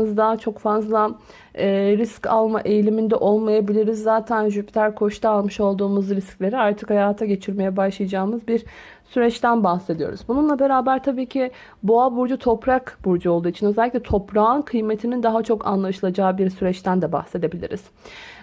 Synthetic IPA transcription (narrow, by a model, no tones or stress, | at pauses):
ɯzd̪at͡ʃʰo̞kfazlˠa | ɛːɾisca̰lˠmaʔe̞jlʲimind̪ɛʔo̞lˠmajabilʲiɾizːaːt̪ʰænʒypʰt̪ʰæɾkʰo̞ʃt̪ʰaːlˠmɯʃo̞lˠd̪uːmuzɾisclʲe̞ɾiaɾt̪ʰɯkhajaːt̪ʰaɟe̞t͡ʃʰiɾme̞jɛbaʃlˠajad͡ʒaːɯmɯzbiɾ | syɾɛt͡ʃt̪ʰænbaxse̞d̪ijo̞̰ɾuzbununlˠabe̞ɾaːbæɾt̪ʰabiːcʰi | boabuɾd͡ʒut̪ʰo̞pɾakbuɾd͡ʒuo̞lˠd̪uːit͡ʃʰinøzɛlʲicʲlʲɛt̪ʰo̞pɾaːnkʰɯjmet̪ʰinind̪aɦat͡ʃʰo̞kʰa̰nlˠaʃɯlˠad͡ʒaːbiɾsyɾɛt͡ʃt̪ʰænd̪ɛba̰xse̞d̪e̞bilʲḭɾḭz̥